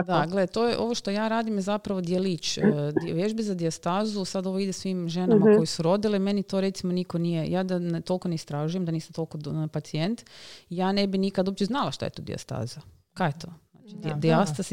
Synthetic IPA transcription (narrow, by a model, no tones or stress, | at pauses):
d̪aɡled̪t̪o̞ːjeʔo̞ʋoʃt̪o̞jaːɾaːd̪imjezapɾaʋo̞d̪jeliːt͡ʃ̪ːʋjeʒbizad̪iast̪aːzusad̪o̞ʋo̞id̪esʋiːmʒe̞namako̞jesuɾo̞d̪ileme̞nit̪o̞ɾe̞t̪simonikonijejaːd̪ant̪o̞lkoneist̪ɾaːʒujemd̪aniːsamt̪o̞lˠkopat̪sie̞nt̪ijaːne̞binikad̪ob̚pt͡ʃeznalˠaʃt̪a̰jet̪oːd̪ḭa̰st̪a̰ːza | kajet̪ʰona̰ːt͡ʃid̪d̪iast̪as